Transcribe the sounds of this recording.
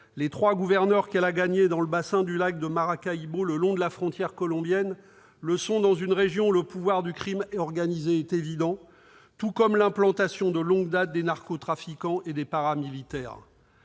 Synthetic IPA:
let̪χwaɡuvɛʁnœʁkɛlaɡaɲed̪ɑ̃ləbasɛ̃d̪ylak̚d̪əmaʁakaiboləlɔ̃d̪əlafχɔ̃t̪jɛʁkɔlɔ̃bjɛn | ləsɔ̃d̪ɑ̃zynʁeʒjɔ̃uləpuvwaʁd̪ykχimɛɔʁɡanizeɛt̪evid̪ɑ̃ | t̪ukɔmlɛ̃plɑ̃t̪asjɔ̃d̪əlɔ̃ɡd̪at̪̚d̪enaʁkot̪χafikɑ̃ʔed̪epaʁamilit̪ɛːʁ

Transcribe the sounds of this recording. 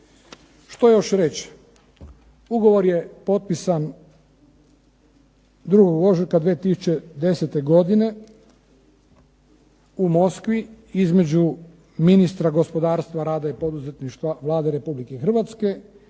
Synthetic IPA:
ʃt̪ojo̞ʃɾe̞t͡ɕ | uɡo̞ʋo̞ɾje̞po̞t̪̚pisan | d̪ɾuɡoɡo̞ʒiɾkad̪ʋeːt̪isu̥t͡ʃed̪e̞set̪e̞ɡo̞d̪ine̞ | umo̞skʋi | izme̞d͡ʒu | minist̪ɾaɡo̞spo̞d̪aːɾst̪ʋaɾaːd̪aipo̞d̪uze̞t̪niʃt̪ʋaʋlˠaːd̪eɾe̞publike̞xr̩ʋat̪ske̞

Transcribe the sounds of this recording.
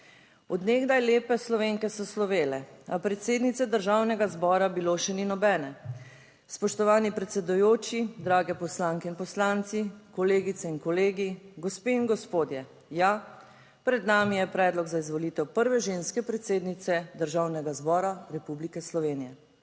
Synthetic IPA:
ɔd̪neɡd̪ajleːpɛslɔʋeːŋkɛsɔslɔʋeːlɛapɾɛt̪seːd̪nit̪sɛd̪əɾʒaːwnɛɡazbɔːɾabiloʃɛninɔbɛːnɛ | spɔʃt̪ɔʋaːnipɾɛt̪sɛd̪ujoːt͡ʃid̪ɾaːɡɛpɔslaŋkɛinpɔslant̪sikɔleːɡit̪sɛinkɔleːɡiɡɔspeːiŋɡɔspoːd̪jɛ | ja | pɾɛd̪naːmijɛpɾɛːd̪lɔɡzaizʋɔlit̪ɛwpəɾʋɛʒeːnskɛpɾɛt̪seːd̪nit̪sɛd̪əɾʒaːwnɛɡazbɔːɾaɾɛpublikɛslɔʋeːnijɛ

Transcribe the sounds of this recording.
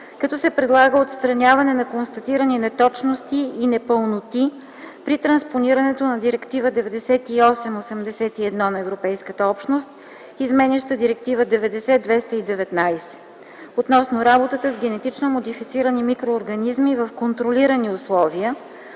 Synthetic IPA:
kɐt̪ɔsɛpɾɛd̪lˠaɡəot̪st̪ɾɐnʲjavɐnɛnɐkonst̪ɐt̪iɾəninɛt̪ɔt͡ʃnost̪iːnɛpəlˠnot̪i | pɾit̪ɾɐnsponiɾɐnɛt̪onɐd̪iɾɛkt̪ivəd̪ɛvɛd̪ɛsɛt̪iɔsɛmosɛmd̪ɛsɛt̪iɛd̪nɔnɐɛvɾopɛjskət̪əɔpʃnost̪̚ | izmɛnʲɛʃt̪əd̪iɾɛkt̪ivəd̪ɛvɛd̪ɛsɛd̪vɛst̪əid̪ɛvɛt̪najsɛ̥ | ot̪nɔsnoɾabot̪ət̪əzɡɛnɛt̪it͡ʃnomod̪ifit̪siɾənimikɾoːɾɡɐnizmivɐfkont̪ɾoliɾɐniʊslˠɔviə

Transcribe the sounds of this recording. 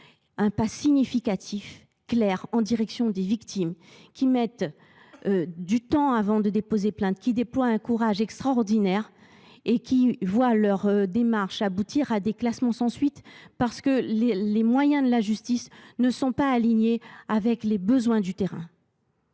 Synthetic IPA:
ɛ̃pasiɲifikat̪ʰif | klɛʁɑ̃d̪iʁɛksjɔ̃d̪evikt̪imkʲimɛt̪ | ød̪yt̪ɑ̃avɑ̃d̪əd̪epozeplɛ̃t̪kʲid̪eplwaɛ̃kuʁaʒɛkst̪χaɔʁd̪inɛʁ | ekʲʰivwalœʁd̪emaʁʃabut̪iʁad̪eklasmɑ̃sɑ̃sɥit̪paʁsə̥kəllemwajɛ̃d̪əlaʒyst̪isnəsɔ̃paːliɲeavɛklebəzwɛ̃d̪yt̪eʁɛ̰̃

